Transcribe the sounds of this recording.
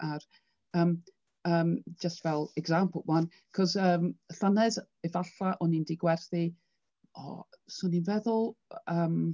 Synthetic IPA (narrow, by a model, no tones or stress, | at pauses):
ʔar | əːm | əːmd͡ʒəstvɛlˠɛɡzampʰʊman | kʰɔzəːmɬanɛz | ɛvaɬaʔɔnindiɡwɛrθi | ɔ̰sɔninvɛðʊlˠəːm